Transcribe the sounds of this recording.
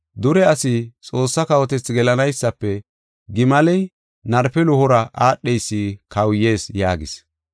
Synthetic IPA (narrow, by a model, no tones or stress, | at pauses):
d̪ʊɾɛɐsɪt͡sʼo̞ːsːɐkɐwɔt̪ɛt͡sːɡɛlɐnɐjsːɐpːɛ | ɡɪmɐlɛj | nɐɾfɛlʊhɔɾɐʔaːɗːɛjsːikɐwjːe̞ːsjaːɡɪ̰s